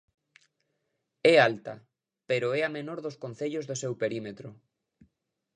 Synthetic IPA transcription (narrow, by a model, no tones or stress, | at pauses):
ɛalt̪a̰ | peɾoɛamenoɾðoskon̟θeʎozðosewpeɾimet̪ɾo